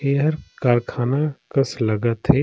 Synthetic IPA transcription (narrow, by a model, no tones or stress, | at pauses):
eːɦəɾkaːɾkʰaːnakəslɐɡət̪ɦe